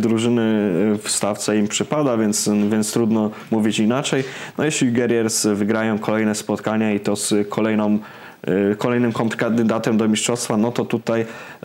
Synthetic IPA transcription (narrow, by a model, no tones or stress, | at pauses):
d̪ɾuʐɘnɘfst̪aft̪sɛimpʂɘpad̪avʲjɛnt̪svʲjɛnt̪st̪ɾud̪nɔmuvʲit͡ɕinat͡ʂɛjnɔjɛɕlʲiɡɛɾjɛɾsvɘɡɾajɔ̃w̃kɔlɛjnɛspɔt̪kaɲait̪ɔskʰɔlɛjnɔm | kʰɔlɛjnɘmkɔnt̪kad̪ɘd̪at̪ɛmd̪ɔmʲiʂtʂɔst̪fanɔt̪ɔt̪ut̪aj